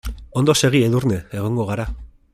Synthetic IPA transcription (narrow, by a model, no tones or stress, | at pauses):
o̞nd̪o̞se̞ɣ̞ieðuɾne̞eɣ̞o̞ŋɡo̞ɣ̞aɾa